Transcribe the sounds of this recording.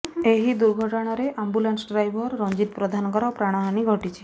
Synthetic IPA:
eɦid̪uɾɡʱɔʈɔɽ̃ɔɾeʔambulansɖɾajbʱɔɾːɔnd͡ʒit̪pɾɔd̪ʱanɔkɔɾɔpɾaɽ̃ɔɦaɽ̃iɡʱɔʈit͡ʃʰi̥

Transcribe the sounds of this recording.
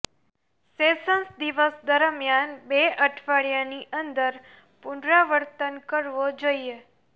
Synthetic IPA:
sesənsd̪iʋəsd̪əɾmjanbeʔəʈʰʋaɭjaniʔənd̪əɾ | pʊɳɖɾaʋəɾt̪ənkəɾʋod͡ʒoie

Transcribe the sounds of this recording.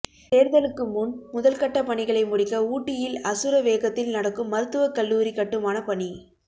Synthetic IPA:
t̪eːɾðɐlɯkːɯmunmʊðɐlkɐʈːɐpɐɳɪɣɐɭɐɪmʊɽɪkːɐuːʈːɪjɪlɐsɯɾɐʋeːɣɐt̪ːɪlnɐɽɐkːɯmːɐɾɯt̪ːɯʋɐkɐlːuːɾikːɐʈːɯmaːnɐpɐɳi

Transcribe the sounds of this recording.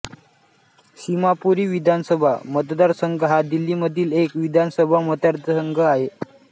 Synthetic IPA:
simapuɾiːʋid̪ʱansəbʱa̰mət̪d̪aɾsəŋɡəɦad̪ilːiːməd̪ʱiːlekʋid̪ʱansəbʱamət̪jaɾt͡səsəŋɡʱəaɦe

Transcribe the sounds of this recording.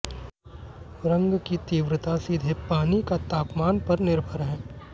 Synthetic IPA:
ɾɐ̃ŋɡkit̪iːʋɾət̪asiːd̪ʱepaːnikat̪aːpmaːnpɐɾnɪɾbʱəɾɦɛ̃ː

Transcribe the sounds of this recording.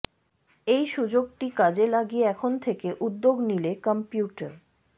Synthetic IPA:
ejʃud͡ʑoɡʈikad͡ʑelaɡieɛkʰont̪ʰekeʔud̪ːoɡnilekəmpjuʈəɾ

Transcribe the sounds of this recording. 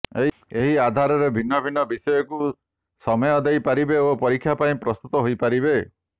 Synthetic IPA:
eɦ | eɦiad̪ʱaɾɔɾebʱinːɔbʱinːɔbisɔjɔku | sɔmɔjɔd̪ejpaɾibeopɔɾikʰːjapaĩpɾɔst̪ut̪ɔɦojpaɾibe

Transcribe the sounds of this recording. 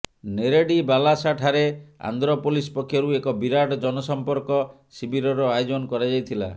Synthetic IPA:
neɾeɖibalasaʈʰaɾea̰nd̪ɾɔpolispɔkʰːjɔɾuekɔbiɾaʈɔd͡ʒɔnɔsɔmpɔɾkɔ | sibiɾɔɾɔajɔd͡ʒɔnɔkɔɾad͡ʒajt̪ʰila̰

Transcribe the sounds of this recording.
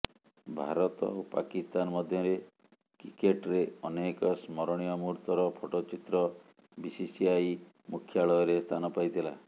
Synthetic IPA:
bʱa̰ɾɔt̪ɔ̰opa̰kist̪anɔmɔd̪ʱjɔɾe | kikeʈɾeɔnekɔsmɔɾɔɽ̃ijɔmuɾt̪ɔɾɔpʰoʈot͡ʃit̪ɾɔ | bisisiaj | mukʰːjaɭɔjɔɾest̪ʰanɔpajt̪ʰila̰

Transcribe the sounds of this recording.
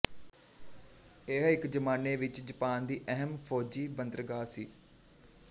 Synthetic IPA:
eɦɪkd͡ʒəmaːneːʋɪt͡ʃd͡ʒəpaːnd̪iːʔɛɦəmpʰoːd͡ʒiːbənd̪ɾəɡaːsiː

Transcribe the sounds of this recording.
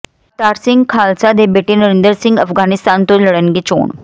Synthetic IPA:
t̪aːɾsɪ̃ŋɡkʰaːlsad̪eːbeːʈeːnəɾɪ̃nd̪əɾsɪ̃ŋɡəfɡaːnɪst̪aːnt̪õləɽənɡeːt͡ʃo̰ːɳ

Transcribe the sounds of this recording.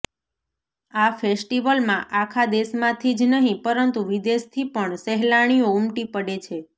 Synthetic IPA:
afesʈiʋəlmãʔakʰad̪esmãt̪ʰid͡ʒnəɦĩpəɾənt̪uʋid̪est̪ʰipəɳsɛɦlaɽ̃ioumʈipəɽet͡ʃʰe

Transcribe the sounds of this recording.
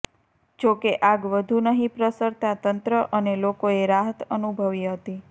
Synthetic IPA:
d͡ʒokeʔaɡʋəd̪ʱunəɦĩpɾəsəɾt̪at̪ənt̪ɾəʔənelokoeɾaɦət̪ənubʱəʋiɦət̪i

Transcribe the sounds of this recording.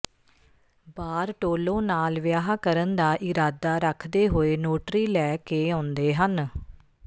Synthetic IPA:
baːɾʈoːlõːnaːlʋɪjaːɦaːkəɾənd̪aːʔɪɾaːd̪aːɾəkʰd̪eːɦoːeːnoːʈɾiːlɛːkeːãːnd̪eːɦən

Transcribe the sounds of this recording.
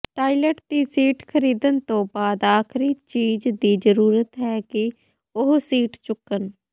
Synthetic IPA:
ʈaːiləʈd̪iːsiːʈkʰəɾiːd̪ənt̪õːbaːd̪aːkʰɾiːt͡ʃiːd͡ʒd̪iːd͡ʒəɾuːɾət̪ɦɛːkɪ | ʊɦsiːʈt͡ʃʊkən

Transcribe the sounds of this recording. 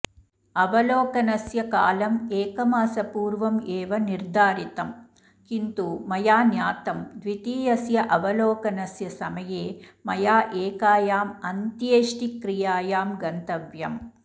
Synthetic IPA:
ɐʋɐloːkɐnɐsjɐka̰ːlɐmeːkɐmaːsɐpuːɾʋɐmeːʋɐniɾd̪ʱaːɾit̪ɐm | kint̪umɐjaːnjaːt̪ɐmd̪ʋit̪iːjɐsjɐʔɐʋɐlɔːkɐnɐsjɐsɐmɐjeːmɐjaːʔeːkaːjaːmɐnt̪jeːʂʈikɾijaːjaːmɡɐnt̪ɐʋjɐm

